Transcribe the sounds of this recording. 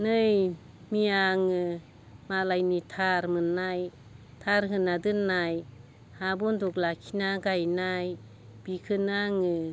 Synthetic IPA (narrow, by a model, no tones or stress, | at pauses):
nɯj | miaŋɯ | malajnitʰaɾmɯnːaj | tʰaɾɦɯnadɯnːaj | habɔndɔklakʰinaɡajnaj | b̥ikʰɯnaŋɯ